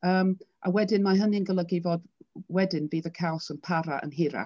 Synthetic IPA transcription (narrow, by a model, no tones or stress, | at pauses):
əːmʔawɛdɪnmaɦənɨənɡəlˠəɡɪvɔdwɛdɪnbiːðəkʰawsənpʰaɾaʔə̰nɦɪɾa̰